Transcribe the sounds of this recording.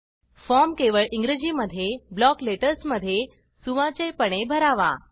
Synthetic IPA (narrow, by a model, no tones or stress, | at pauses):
fɔmkeʋəɭiŋɡɾed͡ʑiməd̪ʱjeblɔkleʈəɾsməd̪ʱːje | suʋãt͡ɕepəɽ̃ebʱəɾaʋa̰